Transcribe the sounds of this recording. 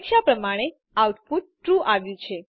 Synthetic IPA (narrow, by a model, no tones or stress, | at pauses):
kʃapɾəmaɽ̃e | awt̪put̪̚ʈɾuʔaʋjũt͡ʃʰe